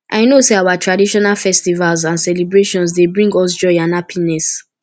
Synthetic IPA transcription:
ʔajnoseawatʰɹadiʃɔnalfɛstivalzãnsɛlibɹeʃɔ̃ns̬debɹĩŋɡɔs̬d͡ʒɔɪãnapʰinɛs

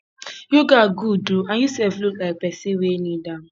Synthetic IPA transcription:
juɡaɡuduãnjusɛvluklaɪk̚pɛsewenidã

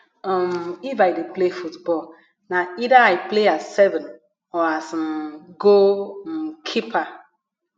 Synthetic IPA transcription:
ɔmifajdeplefutbɔl | naidaaɪpleasːɛvɛ̃n | ɔas̩ɡon̩kʰipʰa

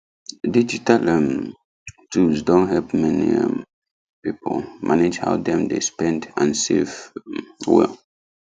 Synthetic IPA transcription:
did͡ʒitalɛm | tʰulsdɔ̃nɦɛlpmɛnḭɛm | pipolmʔaned͡ʒha̰ʊdɛ̃mdḛspɛ̃ndãnsev | wɛ̰l

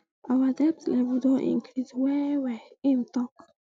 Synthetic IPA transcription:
ʔawadɛp̚tlɛvdoʔḭ̃ŋkʰɾidwɛwɛĩntɔk

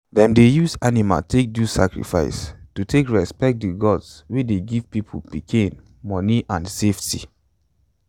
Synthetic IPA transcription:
dɛ̃mdejusanima̰tʰek̚dusa̰kɹḭfa̰ɪstutʰekɹɛspɛk̚t̚dəɡɔdswideɡiv̥pipʰopikʰĩn | mɔniʔãnseftʰi

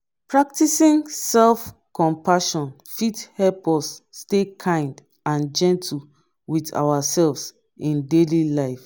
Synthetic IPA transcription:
pɹak̚tisĩŋsɛlfkɔ̃mpaʃɔ̃n | fithɛlpɔsːtekʰãɪ̃nd | ãnd͡ʒɛ̃ntʰi | wita̰wasɛlvs | ĩndelilaɪf

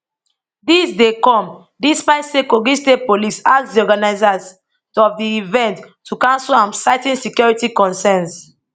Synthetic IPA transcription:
disdekɔ̃m | dispaɪsekoɡĩstepolisaksdiɔɡanaɪzaz | ɔfdiivɛ̃ntʰː | ukãnsulãmsaɪtĩnsikjɔɹitikɔ̃nsɛ̃ns

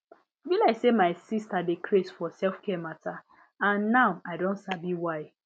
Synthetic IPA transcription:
bilaɪksemaɪsistadekʰɾesfɔsɛlfkɛmatʰa | ãnːaʊaɪdõntsabiwaɪ

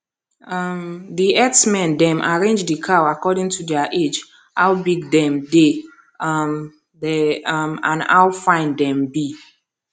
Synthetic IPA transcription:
mdiɛtsmɛ̃ndɛ̃mʔaɹẽnd͡ʒdikʰaakɔdĩŋtʰudɛaʔed͡ʒ | hawbiɡdɛ̃mde | m | dɛmã̰na̰wfãɪ̃ndɛ̃mbi

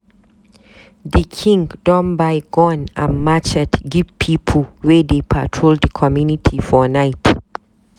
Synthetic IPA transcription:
ðəkʰĩŋdɔ̃nbaɪɡɔ̃nã̰nmat͡ʃɛtɡivpʰipʰəlwɛdepʰa̰tʰɹolddəkʰɔmjunitʰifɔnaɪt

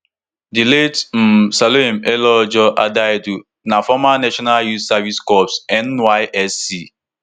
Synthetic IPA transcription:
diletm̩saloem̩elɔd͡ʒɔʔadadu | nafɔmanaʃɔnaljussaviskɔpsɛnwaɪʔɛsːi

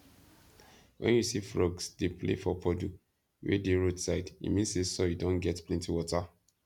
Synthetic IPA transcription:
wʔɛ̰̃njusifɹɔɡsdeplḛfɔpʰɔdu | wḛdeɹodsaɪdḭmĩnssesɔjudõnɡɛtplɛ̃ntiwɔta

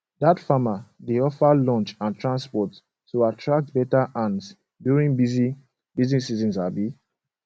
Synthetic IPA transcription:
datfamadeɔfalɔ̃nt͡ʃãntʰɹãnspɔtː | uatʰɹak̚tbɛtaʔãns | djuɹĩŋbizi | bizĩsizĩnsabi

